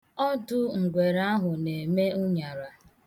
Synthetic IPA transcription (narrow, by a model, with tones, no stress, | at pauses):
ɔ˦dʊ˦ŋ̩˨ɡʷe˨ɾa˦ɦʊ˨ne˨me˦ʊ˦ɲa˨ɾa˨